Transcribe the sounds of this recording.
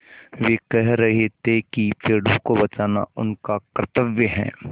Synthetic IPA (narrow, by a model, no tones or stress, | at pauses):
ʋeːkɛɦɾɐɦet̪ekipeːɽõkobɐt͡ʃaːna̰ʊnkakɾət̪əʋjəɦɛ̰̃ː